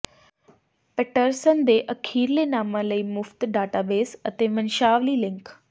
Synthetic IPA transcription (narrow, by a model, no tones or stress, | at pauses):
peʈəɾsənd̪eːʔəkʰiːɾlenaːmãləiːmʊft̪ɖaːʈaːbeːsət̪emɐnʃaːʋliːlɪ̃ŋk